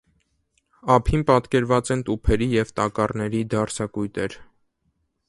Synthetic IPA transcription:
ɑpʰinpɑt̪kɛɾvɑt͡sɛnt̪upʰɛɾijɛvt̪ɑkɑrnɛɾid̪ɑɾt͡sʰɑkujt̪ɛɾ

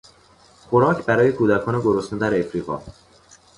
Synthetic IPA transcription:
xoɾɒːcʰbæɾɒːje̞kʰuːd̪ækʰɒːneɡoɾost̪ed̪æɾefɾiːɣɒ̰ː

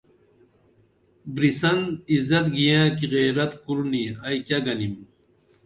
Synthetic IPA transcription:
bɾisɐnizɐt̪ɡijãːkiʁeːɾɐt̪kuɾniɐjkɐɡɐnim

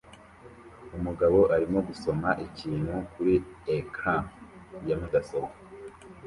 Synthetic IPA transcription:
umuɡaβo̞ʔaɾimo̞ɡuso̞maʔiciːn̥hukuɾiekʰajamaɡasoka

